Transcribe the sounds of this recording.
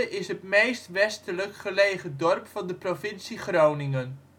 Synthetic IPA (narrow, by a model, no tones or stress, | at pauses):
ʔɪsɦətmejstʋɛstələkχəlejχədɔrpfɑndəprovɪnsiχrownɪŋən